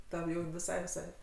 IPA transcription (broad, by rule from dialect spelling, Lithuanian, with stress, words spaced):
ˈtɐm ˈjɛʊ ʋʲɪˈsɐɪ ʋʲɪˈsɐɪ